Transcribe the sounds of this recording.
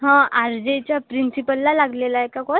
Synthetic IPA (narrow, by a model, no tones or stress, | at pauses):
ɦãaɾd͡ʑet͡ɕjapɾinsipəlːalaɡlelaekakɔ